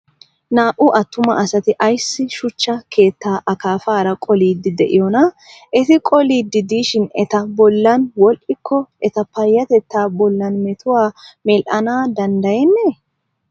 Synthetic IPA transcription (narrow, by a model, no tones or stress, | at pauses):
naːʔʊʔɐt̪ːʊmɐʔɐsɐt̪ɪʔɐjsːɪʃʊt͡ʃːɐkʰe̞ːt̪ːaːʔɐkaːfaːɾɐkʼɔliːd̪ːɪd̪ɛʔɪjɔnɐ | ʔɛt̪ɪkʼɔliːd̪ːɪd̪iːʃɪnɛt̪ɐbɔlːɐnwɔlʔɪkʰːɔɛt̪ɐpɐjːɐt̪ɛt̪ːaːbɔlːɐnmɛt̪ʊwaːmɛlʔɐnaːd̪ɐnd̪ɐjɛnːe